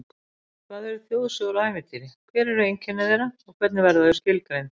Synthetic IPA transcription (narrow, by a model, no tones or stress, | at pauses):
kʰvaːðɛɾʏθjoːwðsɔðɾaajmɪt̪ʰiɾɪkʰvɛːɾɛɾʏejɲcʰɛnɪðeɾaɔɣkʰvɛt̪nɪvɛɾðaðʏscɪlkɾejn